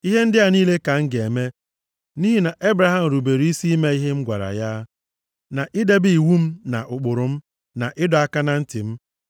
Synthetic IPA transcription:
i˦ɦe˦n̩˦dɪ˦a˨niː˦le˦ka˨ŋ̩˦ɡe˨me˦ | niː˦ɦi˦na˨ʔe˦bɾa˨ɦa˨m̩˨ɾu˨be˨ɾi˦si˦i˦me˦i˦ɦe˦ŋ͡m̩˦ɡʷa̰˨ɾa̰˨ja˦ | na˨ʔɪ˦de˦bi˦i˨wu˦m̩˦na̰˨ʔʊ˨k͡pʊ˨ɾʊ˨m̩˦ | na˨ʔɪ˦dɔ˨a˦˨ka˦na˨n̩˦tɪ˨m̩˦

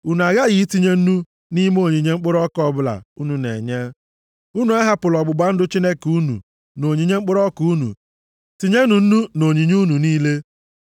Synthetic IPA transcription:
u˨nu˨a˨ɣa˦ɣi˨˦ti˦ɲe˦n̩˦nu˦ | ni˦mo˦˨ɲi˨ɲe˦ŋ͡m̩˦k͡pʊ˦ɾɔ˦kɔ˦bʊ˦la̰˨u˦nu˨nḛ˨ɲe˦ | u˦nu˨a˦ɦa˦pʊ˨lɔ˨ɡ͡bʊ˨ɡ͡ba˦n̩˦dʊ˦t͡ʃi˦ne˦ku˦nṵ˨ | no˨ɲi˨ɲe˦ŋ͡m̩˦k͡pʊ˦ɾɔ˦ku˨˦nṵ˨ | ti˨ɲe˦nu˨n̩˦nu˦no˨ɲi˨ɲ˦u˦nu˨niː˦le˦

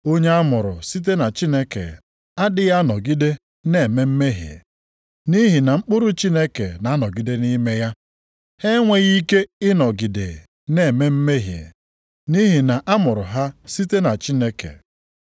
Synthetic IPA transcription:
o˦ɲe˦a˦mʊ˨ɾʊ̰˨si˦t̬e˦na˨t͡ʃi˦ne˦kḛ˨ | a˦dɪ˦ja˦nɔ˨ɡi˦de˦ | ne˦˨me˦m̩˦me˦ɦj | ni˦ɦi˨na˨ŋ͡m̩˦k͡pʊ˦ɾʊ˦t͡ʃi˦ne˦kḛ˨na˨˦nɔ˨ɡi˦de˦ni˦me˦ja˦ | he˦ŋʷe˦ɣi˦ke˦ɪ˦nɔ˨ɡi˨dḛ˨ | ne˨me˦m̩˦me˦ɦje˨ | ni˦ɦi˨na˨ʔa˦mʊ˨ɾʊ˨ɦa˦si˦te˦na˨t͡ʃi˦ne˦kḛ˨

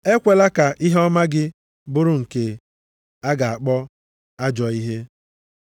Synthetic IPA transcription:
e˦kʷe˨la˦ka˨ʔi˦ɦe˦ɔ˦ma˦ɡɪ˦ | bʊ˦ɾʊ˨ŋ̩˨ke˨ | a˦ɡa˨a˨k͡pɔ˦ | a˦d͡ʒɔ˨i˦ɦe˦

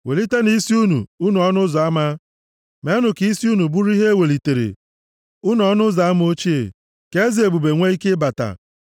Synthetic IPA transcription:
we˨li˦te˦ni˦si˦u˦nṵ˨u˦nu˨ɔ˦nʊ˦za˨a˦ma˦ | me˦nʊ˨ki˨˦si˦u˦nu˨bu˦ɾi˦ɦe˦we˨li˨te˨ɾḛ˨ | ʊ˦n˨ɔ˦nʊ˦za˨˦a˦m˦o˦t͡ʃi˦ḛ˨ | ke˦zi˨e˨bu˨be˨ŋʷe˦i˦ke˦ba˨ta̰˨

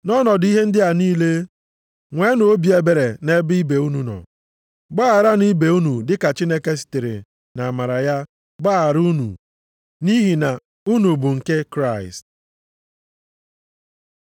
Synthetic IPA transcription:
nɔ˦nɔ˨di˦ɦe˦n̩˦dɪ˦a˨niː˦le˦ | ŋʷe˦no˨o˦bi˨e˨be˨ɾe˨ne˦bi˦be˨u˦nu˨nɔ̰˨ | ɡ͡ba˦a˨ɾa˦ni˦be˨u˦nu˨dɪ˦ka˨t͡ʃi˦ne˦ke˦si̥˨te˨ɾḛ˨ | na˨ma˨ɾa˨ja˦ | ɡ͡ba˦a˨ɾu˦nṵ˨ | ni˦ɦi˨na˨ | u˦nu˨bʊ˨ŋ̩˨ke˦kɾa˦˨ɪ̰˨st̚

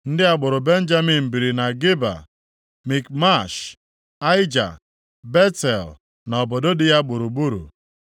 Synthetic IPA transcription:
n̩˦dɪ˦a˨ɡ͡bʊ˨ɾʊ˨be˦n̩˦d͡ʒa˦mi˨m̩˨bi˨ɾi˨na˨ɡɪ˦ba̰˨ | mi˨k̚ma˦˨ʃ | a˦ɪ˦d͡ʒa̰˨ | be˦tɛ˨l | nɔ˨bo˨do˦dɪ˦ja˦ɡ͡bʊ˨ɾu˨bu˦ɾṵ˨

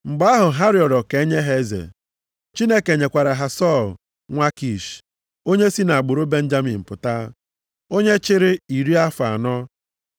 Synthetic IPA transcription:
ŋ͡m̩˨ɡ͡ba˦a˦ɦʊ˨ɦa˦ɾi˨ɔ˨dɔ˨ke˨e˦ɲe˦ɦe˦zḛ˨ | t͡ʃi˦ne˦ke˨ɲe˨kʷa˨ɾa˨ɦa˨sɔ˦˨l | ŋʷa˦ki˨ʃ | o˦ɲe˦si˦na˨a˨ɡ͡bʊ˨ɾo˦be˦n̩˦d͡ʒa˦mi˨m̩˨pʊ˨ta˦ | o˦ɲe˦t͡ʃɪ˦ɾɪ˦i˨ɾi˦a˦fa˨nɔ˦

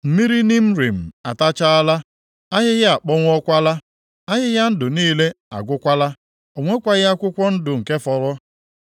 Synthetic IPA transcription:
m̩˨mi˦ɾi˦ni˦m̩˦ɾi˨m̩˨a˨ta˦t͡ʃa˦a˦la˦ | a˦ɦɪ˦ɣɪ˦a˨k͡pɔ˦ŋʷɔ˦kʷa˦la˦ | a˦ɦɪ˦ɣa˦n̩˦dʊ˨niː˦le˦ | a̰˨ɡʷʊ˦kʷa˦la˦ | o˨ŋʷe˦kʷa˦ɣa˦kʷʊ˦kʷɔ˦n̩˦dʊ˨ŋ̩˨ke˦fɔ˨ɾʊ˦

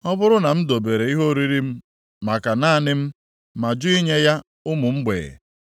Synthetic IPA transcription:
ɔ˦bʊ˦ɾʊ˦na˨m̩˦do˨be˨ɾe˨i˦ɦo˦ɾi˦ɾi˦m̩˦ | ma˨ka˨naː˦˨nɪ˦m̩˦ | ma˨d͡ʒʊ˦i˦ɲe˦ja˦ | ʊ˦mʊ˨m̩˦ɡ͡bḛ˨ɣḛ˨

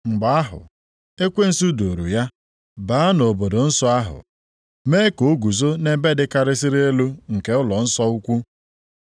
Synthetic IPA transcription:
ŋ͡m̩˨ɡ͡ba˨a˦ɦʊ̰˨ | e˦kʷe˦n̩˨su˦do˨ɾṵ˨ja˦ | baː˨˦no˨bo˨do˨n̩˦sɔ˦a˦ɦʊ̰˨ | meː˦ko˨o˦ɡu˨zo˦ne˦be˦dɪ˦ka˦ɾɪ˦sɪ˦ɾe˦e˦lu˦ŋ̩˨ke˨ʊ˦lɔ˨n̩˦sɔ˦u˦kʷu˦

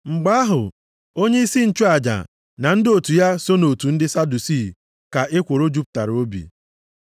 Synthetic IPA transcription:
ŋ͡m̩˨ɡ͡ba˦a˦ɦʊ̰˨ | o˦ɲe˦i˦si˦n̩˦t͡ʃu˦a˨d͡ʒa̰˨ | na˨n̩˦dɪ˦o˨tu˨ja˦so˦no˨tu˨n̩˦dɪ˦sa˦du˨si˦˨ | ka˨ʔɪ˦kʷo˨ɾo˦d͡ʒu˦p̚ta˨ɾo˦bḭ˨

